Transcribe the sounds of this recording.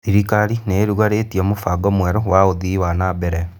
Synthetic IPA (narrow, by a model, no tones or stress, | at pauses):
iɾikaɾineɾuɣwaɾetiɔmofaɡɔmwɛɾowaoðiwanabɛɾɛ